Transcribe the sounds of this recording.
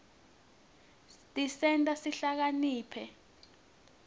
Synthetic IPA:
tʼisɛntʼasiɬak̬aniːpʰɛ

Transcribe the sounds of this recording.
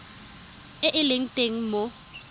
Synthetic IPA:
ɪʔɪleŋ̩tʼeŋ̩mo

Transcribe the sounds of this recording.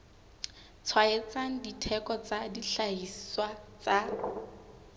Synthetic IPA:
t͡sʰwaet͡saŋ̩ditʰɛkɔt͡sadiɬaisswat͡sa

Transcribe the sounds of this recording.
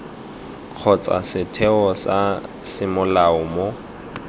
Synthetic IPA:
q͡χʰɔt͡sʼa̰sɪtʰɛɔsasɪmʊlaʊmo

